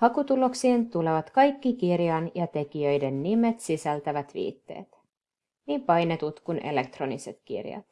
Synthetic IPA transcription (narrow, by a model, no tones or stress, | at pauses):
hɑkut̪ulo̞ksiːnt̪ule̞ʋɑt̪kɑjkːikirjɑnjɑt̪e̞k̟ijøjde̞nːime̞t̪sisælt̪æʋæt̪ʋḭːt̪ːe̞̰ːt̪ | niːmpɑjne̞t̪ut̪kunʔe̞̰le̞k̚t̪ro̞nise̞t̪kḭrjɑ̰t̪